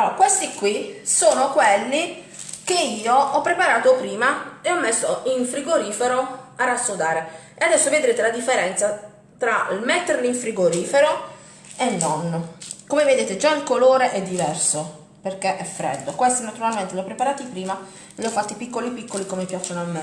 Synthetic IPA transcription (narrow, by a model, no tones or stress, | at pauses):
alːoɾakwest̪ikwisoːnokwelːi | keiːoɔpːɾepaɾaːt̪opɾiːmaeɔmːesːoiɱfɾiɡoɾiːfeɾoarːasːod̪aːɾe | ead̪ɛsːoved̪ɾeːt̪elad̪ifːeɾɛnt̪sa | t̪ɾailmɛt̪ːerleiɱfɾiɡoɾiːfeɾo | elːɔnːokomeved̪eːt̪ed͡ʒailkoloːɾeʔɛd̪ːivɛrso | perkeʔɛfːɾɛ̰d̪ːokwest̪inat̪uɾalment̪eljɔpːɾepaɾaːt̪ipɾiːma | liɔfːat̪ːipikːolipikːolikomemipjat͡ʃːonoamːe